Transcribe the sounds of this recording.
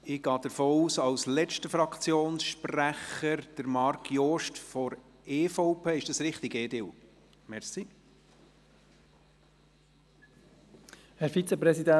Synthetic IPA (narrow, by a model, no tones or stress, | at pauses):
ɪɡɑːd̥̪əɾfoːuːsɑwslɛt͡ʃtəfɾɑkt͡sjoːnsʃpræχəɾd̥əɾmɑɾkjoːʃtfɔɾ | eːfoʊpʰeːɪʃd̥ɑsɾɪχtiɡeːdɪl | mɛɾsi | hɛɾfit͡səpɾɛsidæ